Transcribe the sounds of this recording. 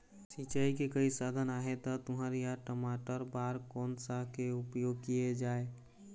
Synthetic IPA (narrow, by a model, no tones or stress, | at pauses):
sit͡ʃaːikekəisad̪ʱənaːɦet̪ɔt̪ʊɦəɾjaʈəmaːʈəɾbaːɾkɔːnsakeʊpjoːɡ̚kijed͡ʒaːe